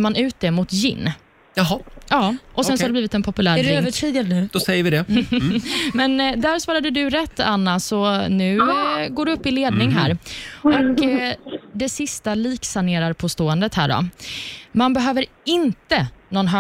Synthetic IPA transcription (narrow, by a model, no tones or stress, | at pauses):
manʉ̟ːt̪̚d̪ɛmʊt̪jɪ̰nː | ɦɔɑːʔɔsɛnsɔɔhadɛbliːvɪt̪ɛnpʰɔpɵlæːɾɪøːvəʈʰiːd̪ɪad̪nʉ̟d̪̥ɔsɛjːəɾvɪd̪ɛ | mɛnd̪æɾsvɑːɾad̪əd̪ɵɾɛt̪ːanːasɔnʉ̟ːɡoːɖɵɵpːɪleːd̪nɪŋɦæ̰ːɾɔk | d̪ɛsɪst̪aliːksaneːɾaɾpʰɔst̪oːɛnd̪ət̪hæ̰ːɖɔ̰ | manbɛɦøːvəɾ | ɪnt̪ənɔnɦœ